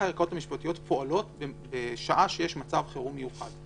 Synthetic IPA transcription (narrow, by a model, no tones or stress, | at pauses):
aeʁko̞thamiʃpatijo̞tpoalo̞tbebeʃaʔaʃejeʃmat͡savχeʁumejuχa̰d